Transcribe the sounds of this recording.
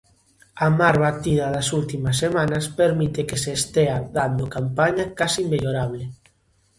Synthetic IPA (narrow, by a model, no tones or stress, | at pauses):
amaɾβat̪iðɐðɐsult̪imɐsːemanɐspeɾmit̪ekeseːst̪eaðand̪okampaɲakasimbeʎoɾaβ̞le